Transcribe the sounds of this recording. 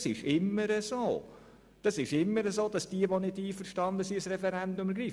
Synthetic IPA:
sɪʃɪmːəɾəzoː | d̥ɑsɪʃɪmːəɾəzoːd̥ɑsd̥iəʋonɪdiːfəɾʃtɑndəsiəsrɛfɛɾɛndʊməɾɡɾiːf

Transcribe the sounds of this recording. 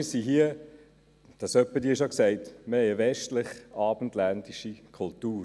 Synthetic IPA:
ɪsiɦiə | d̥ɑsœpːədiːɪʃ̬oksɛɪtməhɛɪəvɛʃtlɪχɑːb̥ən̩tlændiʃikʰultuː

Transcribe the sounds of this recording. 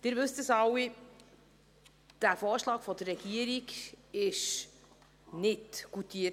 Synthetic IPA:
d̥ɪɾvɵstəsɑwi | d̥æfɔːɾʃlɑːkfɔd̪ərːɛɡ̥iəɾikɪʃ | nɪtɡ̥utiːə

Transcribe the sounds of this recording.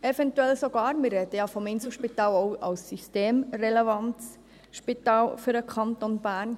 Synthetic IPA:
ɛvɛntuɛlsɔɡɑːɾmɪrɾɛd̪əjɑfɔmɪnsl̩ʃpitɑːloʊʔɑ̰lsːysteːmrɛlɛvɑnts | ʃpit̪ɑːlfʏɾəkʰɑnt̪onbæːɾn

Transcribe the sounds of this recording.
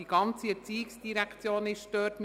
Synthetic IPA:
iɡ̥ɑnt͡siəɾt͡siːɪksd̥iɾækt͡sjoːnɪʃd̥øːtm

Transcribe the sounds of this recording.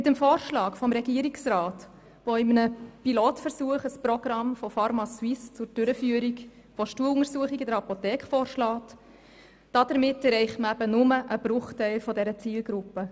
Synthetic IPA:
mɪtəmfoːrʃlɑːkfɔmɾɛɡiəɾiksrɑːt | ʋoɪmənəpiloːtfəɾsuəχəsprɔɡ̥rɑmfɔfɑɾmɑswɪst͡sʊɾd̥ʏɾəfyːəɾik | ʋoʃtuəlʊŋəɾsuəχiɡɪdəɾhɑpotɛːkχfɔːrʃlɑːt | d̥ɑd̥əɾmɪtːɛɾɛɪχtməæbənʊməʔəb̥rʊχtɛɪlfɔdɛɾət͡siːlɡɾʊpːə

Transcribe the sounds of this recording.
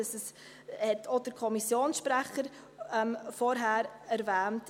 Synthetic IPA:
səs | hɛtʰod̥əɾkʰɔmisjoːnsʃpɾæχəɾ | ɛmfɔɾɦæːɾæɾvæːnt

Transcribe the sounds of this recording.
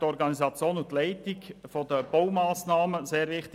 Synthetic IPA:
tɔɾɡɑnizɑt͡sjoːnʊt̪lɛɪtɪkfod̥əb̥oʊmaːsnɑːməzeːɾʋɪχt

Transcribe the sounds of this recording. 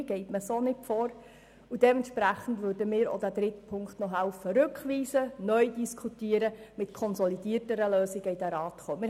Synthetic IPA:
ɡ̥ɛɪtməsonɪtfɔːɾ | ud̥ɛmɛntʃpɾæχən̩dʋøːɾdəmɪːɾo̰d̥æd̥ɾɪtpʰʊŋkχtnɔɦæʊfəɾʉkχʋiːsənœʏdiskʰutiəɾəmɪtkʰɔnsɔlidiːərtəɾəløːsiɡəidæɾɑːtχoːmɪ

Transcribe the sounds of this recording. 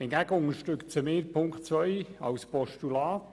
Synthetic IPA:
ɪnɡæɡəʊŋəɾʃtɾʏkt͡səmeːɾpʰʊŋkχtt͡sʋœjɑ̰wspɔʃtulɑːt

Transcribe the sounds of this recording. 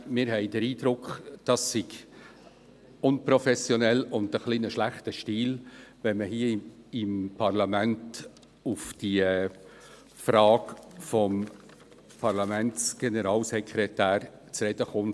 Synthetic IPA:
mɪːɾɦɛɪd̥əɾiːdɾʊkχd̥ɑsːɪɡ | ʊnpɾɔfɛsjɔnɛlʊndəχliːnəʃlæχtəʃtiːlvɛnməhiəɪmpʰɑɾlɑmænt | ʊfd̥i | fɾɑːkfɔm | pʰɑɾlɑmænt͡sɡ̥enɛɾɑːlsɛkʰɾɛtæːɾt͡sɾɛd̥əχʊn

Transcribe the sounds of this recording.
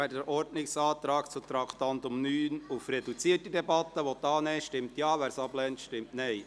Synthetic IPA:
æːɾdəɾʔɔɾdnɪksɑːt̪ɾɑːkt͡sut̪ɾɑkʰt̪ɑnt̪ʊmnyːnufɾɛdut͡siətidɛbɑt̪ːəʋotɑːnɛːʃtɪmt̪jɑːʋæːɾsɑblɛntʃtɪmtnɛɪ

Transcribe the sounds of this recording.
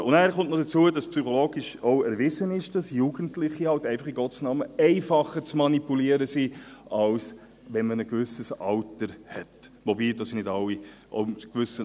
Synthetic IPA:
ʊ̰nnæːɾχʊntnɔdət͡suədɑspsyχɔloːɡɪʃoʊɛɾvɪzənɪʃd̥ɑsjuɡəntlɪχihɑltɛɪfɑχiɡɔtsnɑːməɛɪfɑχəɾt͡smɑnipuliəɾəsiʔɑls | ʋɛnmənəkvʏsəsɑltəɾhɛtʋobiːdɑːsinɪdɑlːiʔo̰mkvʏsə

